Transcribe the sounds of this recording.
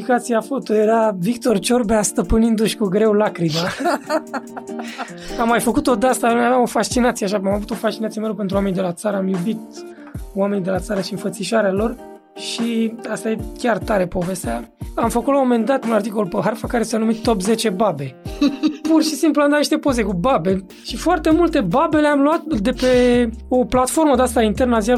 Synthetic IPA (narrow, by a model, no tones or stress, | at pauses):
ikat̪sijafo̞t̪ojeɾavikt̪o̞rt͡ʃo̞rbeast̪əpɨnind̪uʃʲkuɡɾe̞wlakɾima | amːajfəkut̪o̞d̪ast̪aumavamo̞faʃt͡ʃinat̪sijeaʃaamavut̪o̞faʃt͡ʃinat̪siemelop̬e̞nt̪ɾuame̞nid̪elat̪saɾəamjubit̪̚ | owame̞nid̪e̞lat̪saɾəʃiɨnfət̪siʃaɾealo̞r | ʃiast̪ajekʲart̪aɾe̞po̞ve̞st̪eaamfəkut̪lamo̞me̞nd̪at̪unart̪iko̞lpəɦarfakaɾesanumit̪ːo̞pze̞t͡ʃe̞babe̞ | purʃisimpluand̪at̪niʃt̪e̞po̞ze̞kubabe̞ | ʃifoart̪e̞mult̪e̞babe̞leamluat̪d̪e̞pe̞o̞plat̪fo̞ɾməod̪ast̪aint̪e̞rnəazija